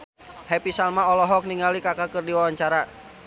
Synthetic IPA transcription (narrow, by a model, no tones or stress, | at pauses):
hɛpisalmaɔlɔɦɔk̚niŋalikakakɨrdiwawaɲt͡ʃaɾa